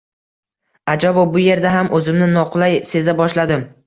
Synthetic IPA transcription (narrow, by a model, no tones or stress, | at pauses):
ad͡ʒabɒbʊje̞ɾd̪aɦamʔɵzɪmnɪnɒqʰʊlˠajse̞zabɒʃlad̪ɪm